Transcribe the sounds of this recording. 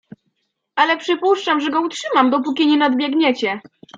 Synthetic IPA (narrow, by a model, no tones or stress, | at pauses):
alɛpʂɘpuʂt͡ʂamʐɛɡɔutʂɘmamd̪ɔp̬ukʲiɲɛnad̪bʲjɛɡɲɛt͡ɕɛ